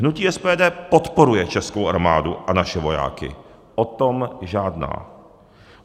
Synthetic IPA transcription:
ɦnuciːʔɛspɛːdɛːpot̪po̞ɾujɛt͡ʃɛsko̞wʔaɾmaːduʔanaʃɛvo̞ja̰ːkɪ̰ | ʔot̪omʒaːdna̰ː

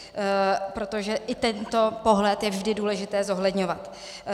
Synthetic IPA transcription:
pɾo̞t̪oʒɛʔɪt̪ɛnt̪o̞po̞ɦlɛt̪jɛvʒdɪduːlɛʒɪt̪ɛːzo̞ɦlɛdɲo̞vat̪

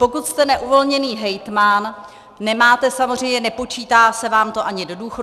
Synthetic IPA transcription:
po̞kut̪st̪ɛnɛʔuvo̞lɲɛniːɦɛjt̪manː | ɛmaːt̪ɛsamozr̝ɛjmɲɛnɛpo̞t͡ʃiːt̪aːsɛvaːmt̪o̞ʔaɲɪdo̞duːxo

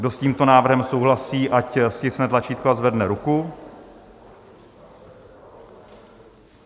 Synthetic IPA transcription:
ɡdo̞sciːmt̪o̞naːvr̩ɦɛmso̞wɦlasiːʔacscɪt͡snɛt̪lat͡ʃiːt̪̚koazvɛdnɛɾuku

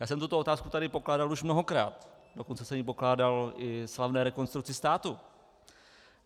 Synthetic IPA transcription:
jaːsɛmt̪ut̪oo̞t̪aːskut̪adɪpo̞klaːdaluʃmnoɦokɾaːt̪ | doko̞nt͡sɛsɛmipo̞klaːdalʔɪslavnɛːɾɛko̞nst̪ɾuk̚t͡sɪst̪aːt̪u

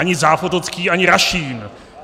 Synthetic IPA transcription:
aɲɪzaːfot̪ot͡skiːʔaɲɪɾaʃiːn

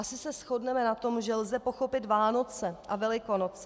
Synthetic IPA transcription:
asɪsɛsxo̞dnɛmɛnat̪o̞mʒɛlzɛpo̞xo̞pɪt̪vaːno̞t͡sɛʔavɛlɪko̞not͡sɛ

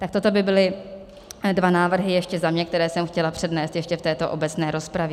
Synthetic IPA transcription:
t̪ak̚t̪o̞t̪o̞bɪbɪlɪ | dvanaːvr̩ɦɪjɛʃcɛzamɲɛk̚t̪ɛɾɛːsɛmxcɛlapr̝̥ɛdnɛːst̪jɛʃcɛft̪ɛːt̪o̞ʔo̞bɛt͡snɛːɾo̞spɾavjɛ

